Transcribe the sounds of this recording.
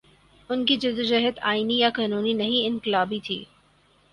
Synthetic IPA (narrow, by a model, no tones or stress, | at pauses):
ʊnkid͡ʒʊd̪ʊd͡ʒɐɦət̪aːinijakaːnuːninɐɦĩɪnkɪlaːbit̪ʰḭː